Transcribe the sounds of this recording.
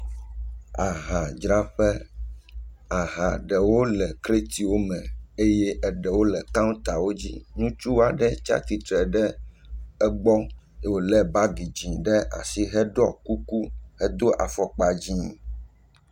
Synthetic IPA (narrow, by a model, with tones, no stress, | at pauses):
a˨ɦã˨d͡ʒɾa˦ɸɛ˦ | a˨ɦã˨ɖɛ˨wo˦lɛ˨kɾe˦t̪i˨wo˦mɛ̃˨e˦jɛ˦ʔɛ˨ɖɛ˨wo˦lɛ˨kã˦t̪a˨wo˦d͡ʑḭ˦nũ˦t͡ʃu˦wa˨ɖɛ˦t͡ʃa̰˦t̪i˨t̪ɾɛ˨ɖɛ˦ | ɛ˦ɡ͡bɔ˦˨ | wo˨lɛ˦ba˦ɡi˨d͡ʒĩ˨ɖɛ˦ʔa̰˨si˦ɦɛ˦ɖɔ˦ku˦ku˦hɛ˦d̪o˦ʔa˨fɔ˨k͡pa˨d͡ʑĩ˦˨